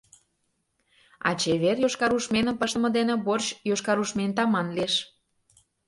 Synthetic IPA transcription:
ɑ̰t͡ɕeβerjoʃkɑɾuʃmenə̆mpəʃt̪əmɤ̆d̪enĕborɕjoʃkɑɾuʃment̪ɑmɑnleʃ

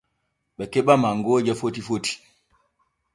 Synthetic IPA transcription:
ɓɛkɛɓamaŋɡɔːd͡ʒafotifoti̥

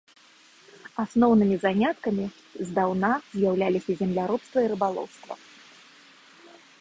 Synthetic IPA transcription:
asnɔwnɨmʲizanʲat̪kɐmʲi | zd̪awnazʲjawlʲalʲisʲɐzʲɛmlʲaɾɔpst̪vɐiɾɨbalˠɔ̰wst̪vɐ̰

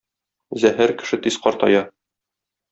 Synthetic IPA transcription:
zæhæɾkɘ̥̆ʃɘt̪isqɒɾt̪ɒ̰jɑ

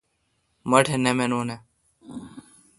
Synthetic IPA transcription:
məʈʰenemenoːne

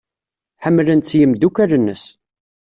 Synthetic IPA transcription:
ħəmːlənt̪t͡sːjəmd̪ukæɾənːəs

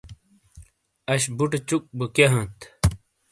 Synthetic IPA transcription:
ɐɕbuʈet͡ɕuk̚bukeɦɐ̃nt̪

